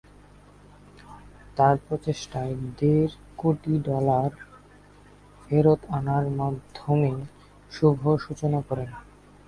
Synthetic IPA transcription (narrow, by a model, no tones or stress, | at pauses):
t̪aɾpɾot͡ɕeʃʈaed̪eɾ | koʈiɖɔlaɾ | beɾot̪anaɾmad̪ʱːome | ʃubʱoʃut͡ɕonakɔɾen